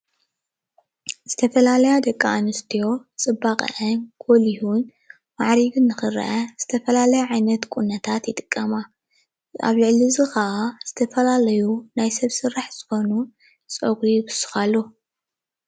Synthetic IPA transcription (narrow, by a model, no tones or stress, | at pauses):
z̥ɨt̪ʰɐfɐlalɐjad̪ɐkʼːaːnɨst̪ʰijo̞t͡sʼɨbːaqʼɐ̰ʔɐnɡ̥ʰolihun | maʕɾiβɨnːɨxɨɾɐ̰ʔɐz̥ɨt̪ʰɐfɐlalɐjaʕajnɐt̪kʼunːɐt̪ʰat̪jɪt̪ʼɨkʼːɐma | a̰βlɨʕlizɨxɐʔaz̥ɨt̪ʰɐfɐlalɐjunajsɐβsɨraħz̥ɨxo̞nu | t͡sʼoɡɾijbɨsɨ̥xalːo